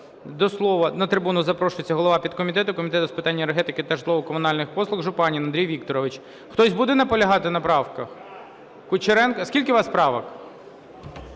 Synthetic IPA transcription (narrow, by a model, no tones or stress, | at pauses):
d̪ɔslˠɔʋɐnɐt̪ɾɪbunʊzɐpɾɔʃʊjet͡sʲːɐɦɔlˠɔʋɑpʲid̪̚kɔmʲit̪ɛt̪ʊkɔmʲit̪ɛt̪ʊspɪ̥t̪ɑnʲːɐerɦɛt̪ɪkɪt̪ɐʃlˠɔʋɔkɔmʊnɑlʲnɪxpɔslˠʊɣʒʊpɑnʲinɐnd̪ɾijʋʲik̚t̪ɔɾɔʋɪt͡ʃ | xt̪ɔzʲbud̪ɛnɐpɔlʲɐɦɑt̪ɪnɐpɾɑwkɐx | kʊt͡ʃeɾɛnkɐskʲilʲkɪʋɑspɾɑʋɐk